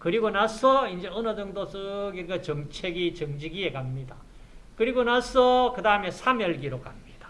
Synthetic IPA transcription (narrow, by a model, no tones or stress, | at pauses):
kɯɾiɡonasʰʌind͡ʑe̞ʌnʌd͡ʑʌŋdosɯɡiɾɡat͡ɕʌŋt͡ɕʰeɡit͡ɕʌŋd͡ʑiɡie̞kamɲida | kɯɾiɡonasʰʌkɯdaɯme̞sʰamjʌɭɡiɾokamɲid̥ḁ